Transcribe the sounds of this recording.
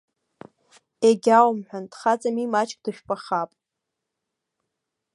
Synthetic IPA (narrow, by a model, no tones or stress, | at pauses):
eɡʲawmħʷᶣand̥χat͡sʼamimat͡ʃʰʼkʼd̥ɨʃᶣpʼaχapʼ